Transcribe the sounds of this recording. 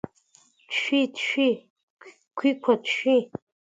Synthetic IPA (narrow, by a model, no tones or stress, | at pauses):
tʃᶣitʃᶣi | kʷʰikʷʰatʃᶣi